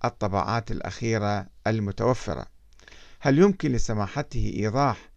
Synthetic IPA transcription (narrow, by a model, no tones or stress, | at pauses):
ʔɨt̪ˤːɑbɑ̰ːʕa̰ːt̪ɪlʔa̰xiːɾaalmʊt̪awafːɪ̰ɾˤɑ̰ | haljʊmkɪnlɪsamaːħat̪hʔiːðˤɑːħ